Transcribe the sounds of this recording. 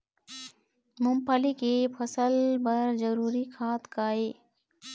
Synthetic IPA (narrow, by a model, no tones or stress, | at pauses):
mʊmpəlikepʰəsəlbəɾzəɾuːɾikʰaːt̪kaːeː